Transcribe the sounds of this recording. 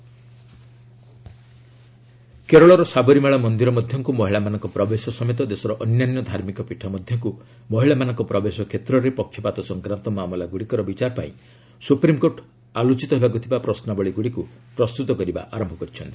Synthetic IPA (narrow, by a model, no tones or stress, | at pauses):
keɾɔɭɔɾɔsabɔɾimeɭamɔnd̪iɾɔmɔd̪ʱjɔŋkumɔɦiɭamanɔŋkɔpɾɔbesɔsɔmet̪̬ɔd̪esɔɾɔʔɔnjanjɔd̪ʱaɾmikɔpiʈʰɔmɔd̪ʱjɔŋku | mɔɦiɭamanɔŋkɔpɾɔbesɔkʰet̪ɾɔɾepɔkʰːjɔpat̪ɔsɔŋkɾant̪ɔmamɔlaɡuɽikɔɾɔbit͡ʃaɾɔpa̰ḭ̃ | supɾimkoɾʈ | alot͡ʃit̪ɔɦebakut̪ʰibapɾɔsnabɔɭiɡuɽiku | pɾɔst̪ut̪ɔkɔɾiba̰ʔaɾɔmbʱɔkɔɾit͡ʃʰɔnt̪i̥